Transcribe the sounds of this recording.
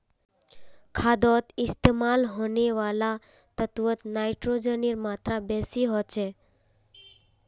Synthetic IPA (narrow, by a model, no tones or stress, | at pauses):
kʰad̪ɔt̪ɪst̪emalɦoneʋala | t̪ət̪ʋət̪naiʈɾod͡ʒəniɾmat̪ɾabɛsiɦot͡ʃʰe